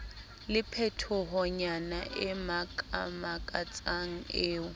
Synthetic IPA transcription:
lɪpʰɛtʰʊɦɔɲanaʔɪmakʼa̰makʼat͡sʼaŋ̩eːʊ

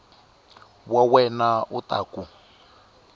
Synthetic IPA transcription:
wawɛnauta̰ːku

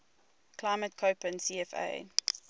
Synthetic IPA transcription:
klaɪmətkʰəʊpə̃nsiːɛfḛɪ

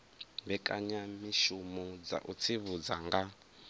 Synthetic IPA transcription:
βɛkʼa̰ɲamiʃumud͡za̰ʔut͡sʰiβud͡zaŋɡa

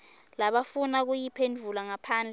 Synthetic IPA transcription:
laɓafunak̬ujipʰend͡ɮʱulaŋapʰaːnd͡ɮʱɛ

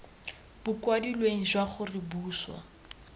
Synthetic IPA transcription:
b̥ʊkwadilweŋ̩ʒwaχʊrɪbuːswa̰

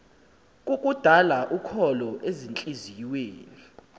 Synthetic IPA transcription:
kʼukʼud̥ʱalaʔukʰɔlɔʔezint͡ɬʼiziweːni

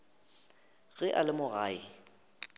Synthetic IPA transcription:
ɣɛʔalɪmʊɣaːɪ

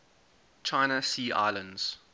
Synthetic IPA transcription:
t͡ʃʰaɪnəsiːa̰ɪlə̃ndz̥

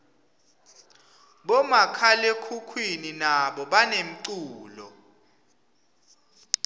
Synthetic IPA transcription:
ɓɔmakʰalekʰukʰwininaɓɔɓanem̩ǀuːlɔ̰

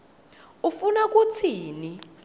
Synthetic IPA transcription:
ufunak̬ʼut͡sʰiːni

